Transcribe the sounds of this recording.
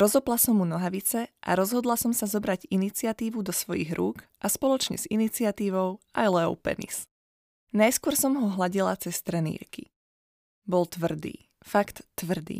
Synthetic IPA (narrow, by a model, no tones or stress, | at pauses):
ɾɔzɔplasɔmːunɔɦaʋit͡sɛʔa̰ɾɔzɦɔd̪lasɔmsazɔbɾaɟinit͡sɪat̪iːʋud̪ɔsʋɔjḭɣɾuːkʔaspɔlɔt͡ʃɲɛ̰z̥init͡sɪat̪iːʋɔʊajlɛɔ̰ʊpɛ̰nḭs | najskʊɔɾsɔmɦɔɦlaɟilat͡sɛst̪ɾɛnḭːɾkḭ | bɔlt̪ʋr̩d̪ḭː | fakt̪ːʋr̩d̪ḭː